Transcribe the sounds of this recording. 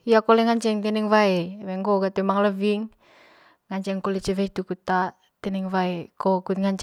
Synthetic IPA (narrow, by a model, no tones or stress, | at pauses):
ijakolɛŋaɲt͡ʃɛŋt̪ɛnɛŋvaevɛŋɡoɡat̪uemaŋləviŋː | aɲt͡ʃɛŋkolɛt͡ʃɛvɛit̪ukut̪a | t̪ɛnɛŋvaekokut̪ŋaɲt͡ʃ